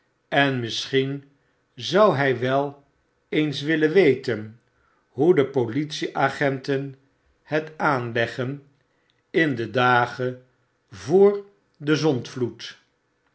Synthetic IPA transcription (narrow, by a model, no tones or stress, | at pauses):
ɛnmɪsχin | zʌwɦɛjʋɛlˠ | ejnsʋɪlənʋejtən | ɦudəpolitsiʔaːχɛntən | hɛtaːnlɛχən | ɪndədaːχə | vʊːɹ | dəzɔntflut